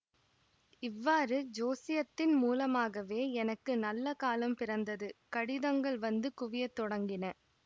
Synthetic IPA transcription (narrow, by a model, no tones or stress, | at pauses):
ɪʋːaːrɯd͡ʒoːsɪjɐt̪ːɪnmuːlɐmaːɣɐʋeːɛnɐkːɯnɐlːɐkaːlɐmpɪrɐnd̪ɐðɯkɐɽɪðɐŋɡɐɭʋɐnd̪ɯkʊʋɪjɐt̪ːɔɽɐŋɡɪnɐ